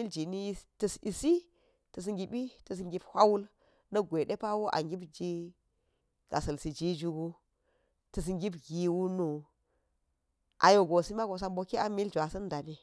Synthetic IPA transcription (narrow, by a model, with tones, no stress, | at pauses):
i˦ld͡ʒi˨ni˦tə˨si˨si˦ | tə˨s̬i˦ŋɡi˨bi˦tə˨s̬i˦ŋɡi˦bhʷa˦wu˦l | nɐ˦ɡʷe˨ɗe˦pa˦wo˦ʔa̰˨ŋɡi˦bd͡ʒi˦ | ɡ̥a̰˨sɐ˨lsi˨d͡ʒi˦d͡ʒu˦ɡu˦ | tə˨s̬ŋɡi˦bɡi˨wu˦nu˨ | ʔa̰˨jo˨ɡo˨si˦ma˦ɡo˨sa˦nbo˦ki˦a˨˦mi˦ld͡ʒʷa˨sɐ˦nda˨ni˨